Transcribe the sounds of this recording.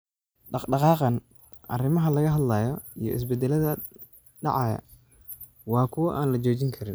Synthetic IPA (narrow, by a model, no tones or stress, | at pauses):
ɖɑɖɑqɑːqɑn | ʔɐ̰rɪmɐɦɐlɐɣɐɦɐd̪lɐːjɔijɔ̰ɪ̰s̬bɛd̪ːɛlɐðɐ | ɖɑ̰ʕɑjɐ̰ | wɑːkʰʊwɐʔaːnlɐt͡ʃɔːt͡ʃɪŋkʰɐɾɪn